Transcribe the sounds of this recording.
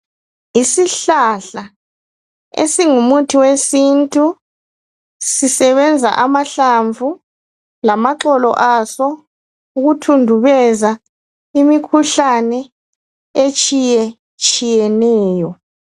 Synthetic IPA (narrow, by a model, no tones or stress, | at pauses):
isiɬaɬa | ḛsiŋumutʰiwesintʼu | sisɛβɛnd͡zʱa̰ʔamaɬaɱvʱu | lamaǁɔlɔ̰ʔasɔ | uɣutʰundʱuβɛza | imikʰuɬanɛ | et͡ʃʼijɛ | t͡ʃʼijɛnɛːjɔ